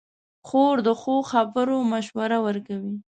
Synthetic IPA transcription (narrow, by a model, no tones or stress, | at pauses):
xoɾd̪əxoxabəɾomaʃwaɾawəɾkawi